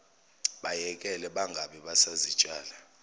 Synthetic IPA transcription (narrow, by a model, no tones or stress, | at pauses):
ɓajɛkʼɛlɛɓaŋɡʱaɓɛɓasazi̥t͡ʃʼaːla